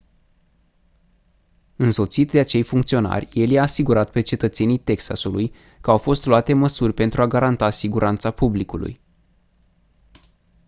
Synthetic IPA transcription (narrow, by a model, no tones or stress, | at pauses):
ɨnso̞t̪sit̪d̪e̞at͡ʃe̞jfuŋkt̪sio̞na̰rʲje̞ljaːsiɡuɾat̪̚pe̞t͡ʃe̞t̪ət̪se̞nijt̪e̞ksa̰suluj | kəawfo̞st̪luat̪e̞məsurʲpe̞nt̪ɾuaɡaɾant̪asiɡuɾʔant̪sapublikulṵj